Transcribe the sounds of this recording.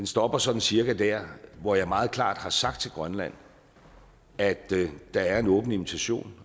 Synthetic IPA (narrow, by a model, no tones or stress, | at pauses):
d̥ensd̥ɒ̽b̥ɐsɒ̽d̥n̩siɐɡ̥æd̥æɐ̰ʋɒjɑ̈mɑ̈ːð̞̩ˠkʰlɑ̰̈ːd̥hɑ̈sɑ̈ɡ̥d̥t͡sʰe̝lɡ̥ʁɶnlæn̰ | æd̥d̥ɑ̈æɐe̝nɔ̽ːb̥n̩imit͡sʰæɕo̝̰ːn